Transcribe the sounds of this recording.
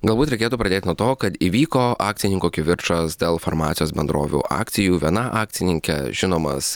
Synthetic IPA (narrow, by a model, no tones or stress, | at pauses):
ɡɐlˠbuːt̪ɾʲɛɪkʲeːt̪uːpɾɐd̪ʲeːt̪ʲɪnuɔt̪oːkɐt̪iːʋʲiːkoːɑːk̚t̪sʲɪnʲɪŋkuːkʲɪʋʲɪɾʃɐsd̪ʲeːlˠfoɾmɑːt̪sʲɪjoːsbʲɛnd̪ɾo̰ːʋʲṵːʔɑ̰ːkt̪sʲɪjuːʋʲiɛnɐʔɑːk̚t̪sʲɪnʲɪŋʲkʲɛ̰ʒʲɪnoːmɐ̰s